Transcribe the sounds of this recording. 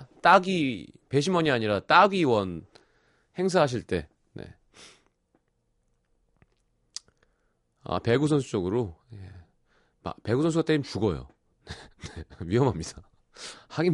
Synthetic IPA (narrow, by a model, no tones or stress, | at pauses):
t͈aɡipe̞ɕ̬ʰimwʌɲiaɲiɾat͈aɡiwʌn | he̞ŋs̬ʰaɦaɕ̬ʰiɭt͈e̞ | ne̞̰ | a̰pe̞ɡusʰʌnsʰu̥t͡ɕ͈oɡɯɾoje | ma̰pe̞ɡusʰʌnsʰuɡat͈eimt͡ɕuɡʌjo̰ | neneɥiɦʌmɦamɲid̥a | haɡi